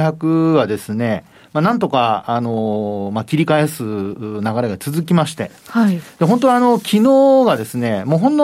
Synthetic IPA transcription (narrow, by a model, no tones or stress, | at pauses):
çakɯ̟βad̪e̞sɨne̞ | manãnt̪̬o̞kaːno̞makʲiɾʲikae̞sɨnaɡaɾe̞ɡat͡sɨzɨkʲimaɕi̥t̪e̞̰ | haid̪̥e̞ɦõ̞nt̪o̞ano̞kʲʰinoːɡad̪e̞sɨne̞moːɦõ̞nd̪o